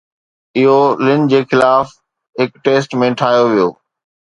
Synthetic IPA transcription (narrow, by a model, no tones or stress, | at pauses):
ɪɦolɪnd͡ʑeːxɪlaːf | ɦɪkʈeːsʈmẽʈʰaːjoʋijo̰ː